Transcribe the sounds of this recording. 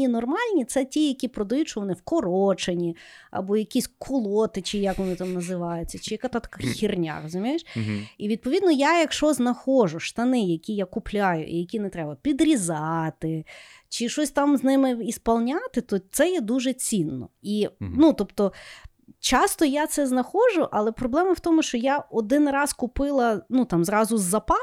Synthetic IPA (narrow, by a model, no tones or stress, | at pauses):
inɔrmɑlʲnʲit̪sɛtʲijɐkʲipɾɔd̪ɐjutʲʃɔʋɔnɪwkɔɾɔt͡ʃenʲiɐ̰bɔjɐkʲisʲkʰʊlˠɔt̪ɪt͡ʃɪjɐkʋɔnɪt̪ɑmnɐzɪʋɑjʊt͡sʲːɐt͡ʃɪjɐkat̪at̪ɐ̥kaxʲirnʲa̰rɔzʊmʲijeʃiʋʲid̪̚pɔʋʲid̪nɔjajɐkʃɔznɐxɔʒʊʃt̪ɐnɪjɐkʲijakʊplʲajʊ̰ʔḭjɐkʲinɛt̪ɾɛbɐpʲid̪ɾʲizɑt̪ɪ | t͡ʃɪʃɔsʲt̪ɑmznɪmɪispɐlˠnʲat̪ɪt̪ɔt̪sɛjɛd̪uʒɛt͡sʲinːɔ̰inut̪ɔpt̪ɔ | t͡ʃɑst̪ɔjat̪sɛznɐxɔʒʊʔɐlˠɛpɾɔblˠɛmɐwt̪ɔmʊʃt͡ʃɔjaɔd̪ɪnrɑskʊpɪlˠɐnut̪ɑmzɾɑzʊzːɐpɑ